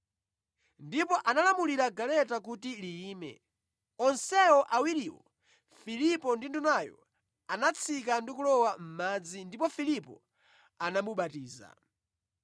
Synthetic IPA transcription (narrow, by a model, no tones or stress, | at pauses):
ndipɔʔanalamuliɾaɡalɛtak̬utiliːmɛ̰ | ɔnsɛɔʔawiɾiwɔ̰ | filipɔndindunajɔ̰ | anat͡sʰik̬andikulɔwam̩mad͡zindipɔfilipɔ̰ | anamuɓatiːza̰